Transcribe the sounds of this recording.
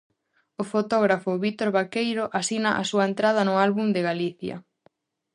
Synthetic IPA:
ʊfot̪oɣɾafʊβit̪oɾβakejɾoʔasinaʔasuɐent̪ɾaðɐnʊalβund̪eɣaliθjɐ̰

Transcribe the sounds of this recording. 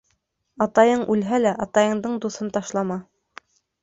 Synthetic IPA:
ɑt̪ɑjɤɴʔʉlɦælæʔɑt̪ɑjɤ̆ɴd̪ɤɴd̪uθɤnt̪ɑʃlˠɑmɑ

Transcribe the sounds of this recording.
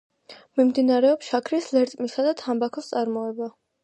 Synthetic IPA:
mimd̪inaɾɛɔpsʃakʰɾislɛɾt̪ʼmisad̪at̪ʰambakʰɔst̪sʼaɾmɔɛba

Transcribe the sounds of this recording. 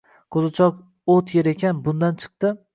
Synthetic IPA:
kʰozɪt͡ʃʰɒk̚ | ot̪ʰjeɾekʲʰanbʊnd̪ant͡ʃʰɨ̥q̚t̪ɪ

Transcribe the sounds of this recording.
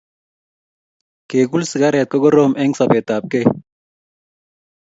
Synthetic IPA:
keːɡulsiɡaɾet̪̚koɡoɾoːmʔeŋɡsɐpeːt̪aːp̚ke

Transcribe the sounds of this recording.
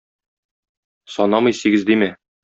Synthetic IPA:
sɒnɑmɤjsiɡɘzd̪imæ

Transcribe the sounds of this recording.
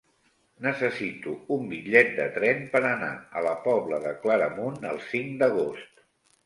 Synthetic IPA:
nəsəsit̪uumbiʎɛt̪̚d̪ə̰t̪ɾɛmpəɾəna̰ə̰ləpɔβləðəkləɾəmunə̰lˠsiŋd̪əɣ̞ost̪

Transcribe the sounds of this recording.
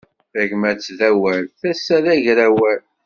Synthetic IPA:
θæʝmæt͡sːðæwælθæsːæðæʝɾæwæl

